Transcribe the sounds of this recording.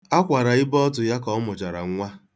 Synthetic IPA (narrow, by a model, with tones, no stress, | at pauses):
a˦kʷa˨ɾa˨ɪ˦bɔ˦t̬ʊ˨ja˦kɔ˨˦mʊ˨t͡ʃa˨ɾa̰˨ŋ̩˦ŋʷa˦